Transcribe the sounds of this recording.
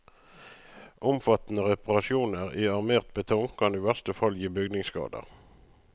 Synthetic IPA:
ʔʊmfɑt̪n̩əʁɛpɑʁɑʃjuːnəʁiːɑʁmeːʁt̪̚bət̪ʰɔŋkʰɑniːʋæʁstəfɑljiːbʏɡdnɪŋskɑ̰ːd̪ə̰ʁ

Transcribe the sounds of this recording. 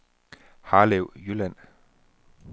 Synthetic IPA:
haːlewjylɛn

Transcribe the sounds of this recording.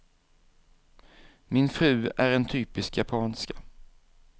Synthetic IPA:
mɪnfɾʉ̟ːæɾɛnt̪ʰyːpɪskjapʰɑːnskḁ

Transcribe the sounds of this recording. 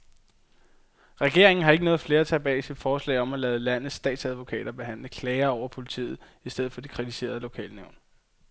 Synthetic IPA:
ʁɛɡ̥e̝ɐe̝ŋn̩ɦɑ̈e̝ɡ̥ənɔ̽ːð̞̩ˠfle̝ːɐt͡sʰɛ̰ːb̥ɛ̰ːisid̥fɒːslɛ̰ːɪɒ̽mælɛːð̩ˠlæn̰ð̩ˠsːd̥ɛ̰ːd̥sæð̞ˠʋo̝kʰɛ̰ːɾ̥ɐb̥e̝ɦæn̰ləkʰlɛːɐɒʊ̰ɐpʰo̝lit͡sʰḭːð̞̩ˠ | isd̥eð̞̰̩ˠfɒd̥ikʰʁit͡sʰise̝̰ːɐð̞ˠlo̝kʰɛ̰ːlneʊn

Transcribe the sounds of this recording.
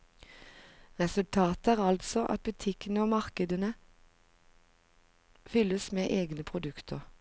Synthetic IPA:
ʁɛsʉlt̪ʰɑːt̪æːʁɑlt̪sɔʔɑ̰t̪̚bʉt̪ʰɪkənəoːmɑʁkəd̪ənə | fʏləsmeːʔeːɡnəpʰʁʊd̪ʉkt̪ʰəʁ

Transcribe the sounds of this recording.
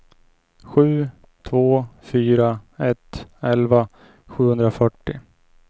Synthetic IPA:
ɧʉ̟ː | t̪ʰvoːfyːɾaɛt̪ːɛlva | ɧʉ̟ːhɵnd̪ɾafœʈːɪ

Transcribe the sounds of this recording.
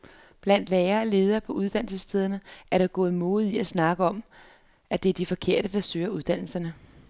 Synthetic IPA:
b̥læn̰d̥leːɐːle̝ːð̞ˠɐːpʰɒ̽uð̞ˠd̥ænl̩səst͡sʰeð̞ˠɐnəʔæɐɾ̥ɑ̈ɡ̥ɔ̽ːð̞̩ˠmɔ̽ːð̩ˠiæsnɑ̈ɡ̥əɒ̽m | æd̥e̝æɐd̥ifɒ̽kʰe̝ɐ̰ɾ̥əd̥ɑ̈søːɐuð̞ˠd̥æn̰l̩sɐnə

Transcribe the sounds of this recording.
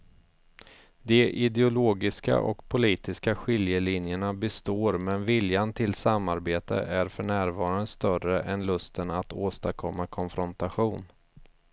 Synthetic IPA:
d̪ɛʔɪd̪ɛʊloːɡɪska̰ʔɔ̰kpʰʊliːt̪ɪskaɧɪljəlɪnjəɳabɛst̪oːɾmɛnvɪljant̪ʰɪlsamːaɾbeːt̪ə̰ʔæɾfœɳæːɾvɑːɾand̪əst̪œrəʔɛnlɵst̪ənat̪oːst̪akʰɔmːakʰɔnfɾɔnt̪aɧuːn

